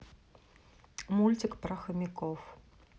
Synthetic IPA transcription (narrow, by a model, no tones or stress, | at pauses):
mulʲt͡sʲikpɾɐxɐmʲikɔf